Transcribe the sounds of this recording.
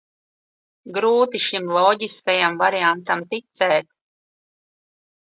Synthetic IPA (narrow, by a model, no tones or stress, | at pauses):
ɡɾuːt̪iʃimlˠɔɟiskajamvaɾiant̪amt̪it̪sɛːt̪